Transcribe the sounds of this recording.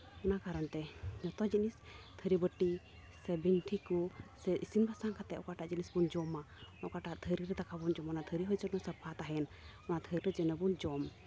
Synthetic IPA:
ɔnakaɾɔnt̪ɛɲɔt̪ɔd͡ʒiʔnist̪ʰəɾibəʈi | sɛbint̪ʰikusɛʔisinbʱasaŋkʰat̪ɛʔɔkaʈaʔd͡ʒinisbund͡ʒɔma | ɔkaʈaʔt̪ʰəɾiɾɛd̪akʰabund͡ʒɔmɔnat̪ʰəɾiɦɔjt͡ʃɔnɔsəpʰat̪aɦɛn | ɔnat̪ʰəɾiɾɛd͡ʒənəbund͡ʒɔm

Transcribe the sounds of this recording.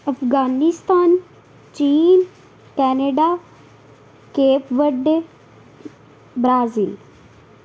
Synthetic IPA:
ɐfɣaːnist̪aːn | t͡ʃiːn | kɛːneɖaː | keːpʋəɖ | bɾaːzil

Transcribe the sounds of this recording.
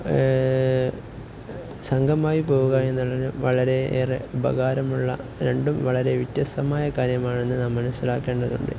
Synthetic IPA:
sɐŋɡʱɐmaːjipo̞ːɣuɣae̞nːuɭɐinɨʋɐɭɐɾe̞eːrebʱɐ̰ɣaːɾɐmuɭːɐ̰ | ɾe̞ɳɖumʋɐɭɐɾe̞ʋit̪ːjɐst̪ɐmaːjɐkaːɾjɐmaːɳe̞nːɨnaːmːɐnɐsːilaːkːe̞ːɳɖɐðuɳɖɨ̰

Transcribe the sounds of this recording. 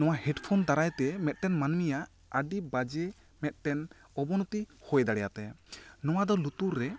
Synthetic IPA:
nɔw̃ahɛɖpʰɔnt̪aɾajt̪ɛmɛt̪̚ʈɛnmanmija | əɖibad͡ʒe | mɛt̪̚ʈɛn | ɔbɔnut̪ihojd̪aɽɛjat̪ɛnɔwad̪ɔlut̪uɾːɛ

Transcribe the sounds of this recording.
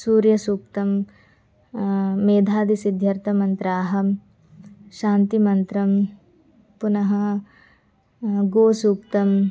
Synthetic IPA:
suːɾjɐsuːkt̪ɐm | eːd̪ʱaːd̪isid̪ʱjɐɾt̪ʰɐmɐnt̪ɾaːɦɐm | ʃaːnt̪imɐnt̪ɾɐm | punɐɦɐ | ɡoːsuːkt̪ɐm

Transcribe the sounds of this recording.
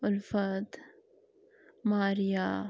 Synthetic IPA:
ʊlfɐd̪ | maːɾija

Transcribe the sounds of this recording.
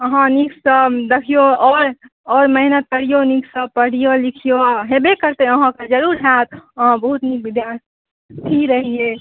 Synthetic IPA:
əɦãniksəd̪ekʰijoɔːɾ | ɔːɾməɦinət̪̚kəɽijoniksəpəɽ̤ijolikʰijoɦebekəɾt̪eəɦãked͡ʒəɾuɾɦat̪əɦãbəɦut̪nik̚bid̪jaɾt̪ʰi | t̪ʰiɾəɦie

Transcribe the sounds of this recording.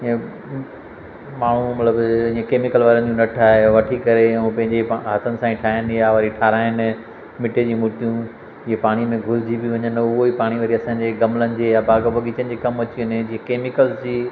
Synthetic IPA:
ẽ | maːɳ̤umɐt̪ləbĩːẽkeːmɪkəlʋaːɾənɪd͡ʑũnɐʈʰaːɦeʋɐʈʰikɐɾeũpɐ̃ɦɪ̃ɲd͡ʑeɦat̪ʰənɪ̆sãĩʈʰaːɦənjaʋaːɾiʈʰaːɾaːɦɪnɪ̆ | mɪʈed͡ʑĩːmʊʈijũ | ɪɦepaːɽ̃imẽɡʱʊɾɪd͡ʑʱibiʋɐ̃ɲənʊɦoipaːɽ̃iʋɐɾiɐsãːɲd͡ʑeːɡɐmlənɪ̆d͡ʑeːabaːɡbɐɠiːt͡ɕənɪd͡ʑeːkɐmɐt͡ɕiʊnɪd͡ʑiːɦẽkeːmɪkəlzd͡ʑiː

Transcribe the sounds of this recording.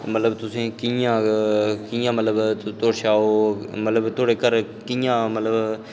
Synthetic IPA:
mət̪ləbt̪ʊsẽːkijãːkĩjãːmət̪ləbt̪oːɽʃaːoːmət̪ləbt̪ʰoːɽeːkəɾ | kijãːmət̪ləb

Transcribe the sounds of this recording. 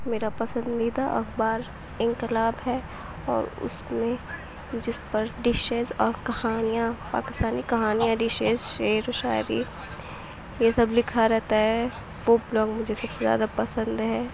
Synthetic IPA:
meːɾapɐsə̃nd̪iːd̪aʔɐ̰xbaːɾ | ɪ̃ŋkɪlaːbɦɛ | ɔ̰ːɾʊ̰smẽ | d͡ʒɪspɐɾɖɪʃeːzɔːɾkɐhaːnijãpa̰ːkɪst̪aːnikɐɦaːnijãɖɪʃeːzʃeːɾoʃaːjɾḭ | jesɐblɪkʰaɾɛɦt̪aɦɛ | foːblɔ̃ːkmʊd͡ʒʱesɐbsezja̰ːd̪apɐsə̃nd̪ɦɛː

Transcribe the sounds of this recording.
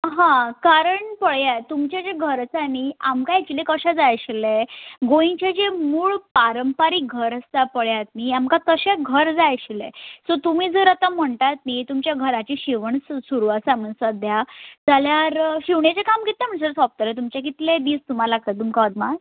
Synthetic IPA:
ɦãkaɾəɳpəɭjat̪ːumt͡ɕjad͡ʑeɡʱəɾəsaniamkãjet͡ɕilekəɕad͡zajəɕileɡoĩt͡ɕad͡ʑemuːɭpaɾəmpaɾiːɡʱəɾəst̪apəɭjat̪̚niamkat̪əɕaɡʱəɾd͡zajəɕilḛsot̪umiːd͡zəɾat̪am̤əɳʈat̪nit̪umt͡ɕjaɡʱəɾat͡ɕiɕiʋəɳssuɾuasam̤əɳsəd̪jad͡zaljaɾɕiʋɳjat͡ɕakamkit̪am̤əɳsəɾsɔp̚t̪let̪̬umt͡ɕjak̬it̪led̪iːst̪um̤alaɡ̚t̪at̪umkaəd̪ma

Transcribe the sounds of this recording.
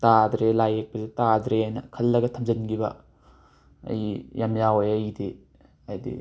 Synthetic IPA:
tad̪ɾelajek̚pɐzetadɾeajnɐ̰kʰɐlːɐɡɐtʰɐmzɐnɡibɐ̰ | ɐ̰jijamjawojɐjide | ajdḭ

